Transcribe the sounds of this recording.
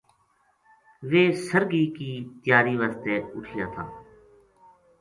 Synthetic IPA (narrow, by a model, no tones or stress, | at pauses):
ʋeːsəɾɡiːkiːt̪ɪjaːɾiːʋaːst̪eːʊʈʰiːjaːt̪ʰã̰ː